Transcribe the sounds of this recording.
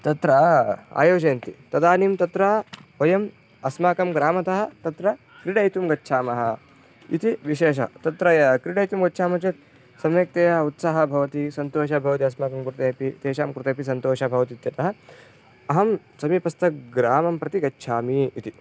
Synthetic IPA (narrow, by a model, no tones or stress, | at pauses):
t̪ɐt̪ɾɐa̰ːjoːd͡ʒɐːnt̪it̪ɐd̪aːnimt̪ɐt̪ɾaːʋɐjɐm | ɐsmaːkɐmɡɾaːmɐt̪ɐɦɐ̆t̪ɐt̪ɾɐ | kɾiɽɐjt̪umɡɐtːʃʰaːmɐɦɐ | it̪iʋiʃeːʃ̬ɐ̰t̪ɐt̪ɾɐjɐkɾiɽɐjt̪umɡɐtːʃʰaːmɐt͡ʃɐt̪̚ | sɐmjek̚t̪eːjɐut̪saɦɐbʱɐʋɐt̪isɐnt̪oːʃɐbʱɐʋɐt̪iɐsmaːkɐmkɾut̪ɐjɐpit̪eːʃaːmkɾut̪ɐpisɐnt̪oːʃɐbʱɐʋɐt̪it̪jɐt̪ɐɦɐ̆ | ɐɦɐm | sɐmipɐst̪ɐkɡɾaːmɐmpɾɐt̪iɡɐtːʃʰaːmiːt̪i